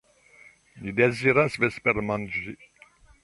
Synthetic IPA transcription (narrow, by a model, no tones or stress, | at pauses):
nid̪ɛziɾasvɛspɛɾmanʒi